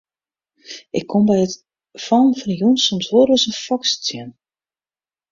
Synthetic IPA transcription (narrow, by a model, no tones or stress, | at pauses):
ʔɪkʰːombɛjət | fɔlˠnfɔnjunsomsʋoɾʋəsənfɔkst͡sjɪn